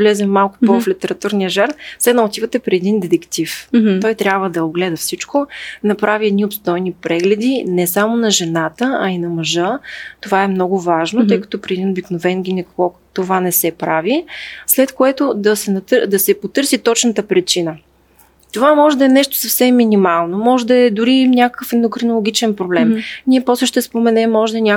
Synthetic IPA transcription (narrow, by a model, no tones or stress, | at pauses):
vlɛzɛmmːalˠkʊ̥pɔflit̪ɛɾɐt̪uɾnijəʒaɾnsɛnɐot̪ivət̪ɛpɾiɛd̪ind̪ɛt̪ɛkt̪ift̪ɔjt̪ɾʲjabvəd̪ɐoɡlɛd̪ɐfsit͡ʃkonɐpɾʔaviɛd̪niopst̪ɔjnipɾɛɡlɛd̪inɛsamonɐʒɛnat̪əɐinɐmɐʒɤt̪ovaɛmnɔɡʊvaʒnot̪ɤjkɐ̥t̪ɔpɾiɛd̪inobiknovɛnɡʲinɛkɔt̪ovanɛsɛpɾavislɛt̪koɛt̪od̪ɐsɛnɐt̪d̪ɐsɛpot̪ɤɾsit̪ɔt͡ʃnət̪əpɾit͡ʃinə | t̪ovamɔʒɛd̪ɐɛnɛʃt̪o̥sɐfsɛmːinʲimalˠnomɔʒɛd̪ɐɛd̪ʊɾinʲakkəfɛnd̪okɾonolˠoɡ̟ʲit͡ʃɛnpɾoblɛmniɛpɔslɛʃt̪ɛspomɛnɛmːɔʒɛd̪ɐɛnʲa